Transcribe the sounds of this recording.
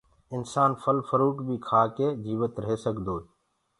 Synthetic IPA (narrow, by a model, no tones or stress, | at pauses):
ɪnsaːnfəlfəɾuːʈbʱiːkʰaːkeːd͡ʒiːʋət̪ɾəɦeːsəkd̪oː